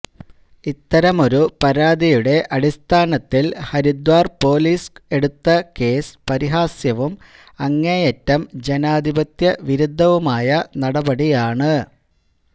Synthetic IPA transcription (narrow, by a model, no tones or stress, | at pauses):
it̪ːɐɾɐmo̞ɾupɐɾaːd̪ijuɽe̞ʔɐɽist̪ʰaːnɐt̪ːilhɐɾid̪waːrpo̞ːliːse̞ɽut̪ːɐke̞ːspɐɾiɦaːsjɐʋum | ɐŋːejɐtːɐmd͡ʑe̞naːd̪ʱibɐt̪jɐʋiɾud̪ʱːɐʋumaːjɐnɐɽɐbɐɽijaːɳɨ